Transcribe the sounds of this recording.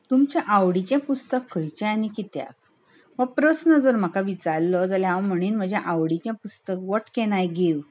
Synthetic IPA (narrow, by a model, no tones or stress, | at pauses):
t̪umt͡ɕãʔaʋɽit͡ɕjãpust̪əkʰːəjt͡ɕãanikit̪ja̰k | ʋəpɾəsnəd͡zoɾm̤əkaʋit͡saɾlɔd͡zaljãʋam̤əɽ̃iːnm̤əd͡ʑãʔawɽit͡ɕjãpust̪əkʋəʈkeɽ̃ajɡeʋ